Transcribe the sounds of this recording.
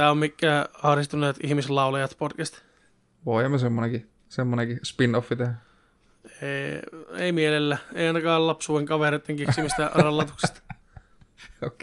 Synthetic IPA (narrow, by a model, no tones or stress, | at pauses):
æommikːæːɑhɾist̪uneːt̪ihmislɑulɑjɑt̪potkæst̪ | ʋoˑiemːæsemːoneŋki | semːonekispinofːit̪ehæ | e | ḛimielelːæːḛiɑinɑkɑːllɑpsuːeŋkɑʋeɾet̪ːeŋkisimist̪ærɑlːɑt̪ukse̥st̪ɑ̥ | ok